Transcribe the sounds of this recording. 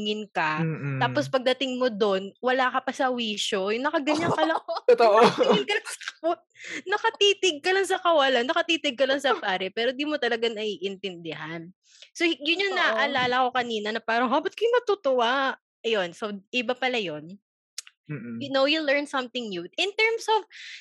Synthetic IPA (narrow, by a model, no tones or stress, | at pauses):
ŋɪnkɐt̪aːpospɐɡ̚d̪ɐt̪ɪŋmod̪o̞nwɐlaːkɐpɐsɐwiːʃojʊnɐkɐɡɐɲːaŋkɐlɐt̪ʔɪnkɐlɐŋsɐ̥kɐt̚nɐkɐt̪iːt̪ɪɡ̚kɐlaŋsɐkɐwɐlanːɐkɐt̪iːt̪ɪɡ̚kɐloŋsɐpaːɾɛpɛːɾond̪iːmot̪ɐlɐɡanɐʔiːʔɪnt̪ɛnd̪ɪhan | sojʊnjʊŋnɐʔʔɐlaːlɐko̞kɐniːnɐnɐpaːɾɐŋɦabɐt̪̚kɐjʊnɐt̪ut̪ʊwa | ʔɐjo̞nsoʔɪbapɐlajon | jʊnowjulɛɹnsɐmt̪ɪŋnud̪ɪnt̪ɛɹmsɔv